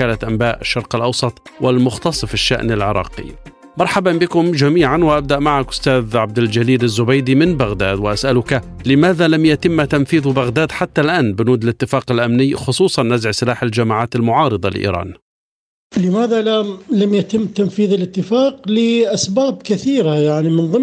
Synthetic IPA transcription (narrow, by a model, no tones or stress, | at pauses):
kaːlat̪ʔambaːʔɪʃːɑɾˤqɪlʔɑwsˤɑt̪ˤwɪlmʊxt̪ɑsˤfɪʃːa̰ʔnalʕɪɾˤɑ̰ːqḭ | mɑɾˤħabanbɪkʊmd͡ʒamiːʕanwɪʔab̚d̪aʔmaʕakʔʊ̥st̪aːðʕab̚d̪ɪld͡ʒaliːɾazːʊbajd̪imɪnbaɣd̪a̰ːd̪wɪʔasʔalʊka | lɪmaːðalamjat̪ɪmːt̪anfiːðbaɣd̪aːd̪ħat̪ːalʔaːnbɪnuːd̪ɪlɪt̪ːɪfaːqɪlʔamnɪjːxʊsˤuːsˤɑnːazʕsɪlaːħɪld͡ʒamaːʕaːt̪ɪlmʊʕɑːɾɨd̪ˤɑlʔḭːɾˤɑ̰ːn | lɪmaːðalalamjat̪ɪmːt̪anfiːðɪlɪt̪ːɪfaːqlɪʔasbaːbkɪθiːɾajaʕnimɪnðˤɨ